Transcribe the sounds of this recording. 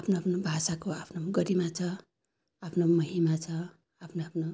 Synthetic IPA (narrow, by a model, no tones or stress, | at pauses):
apʰnoapʰnobʱasakoapʰnoɡʌɾimat͡sʰʌ | apʰnomʌɦimat͡sʰʌ | apʰnoapʰno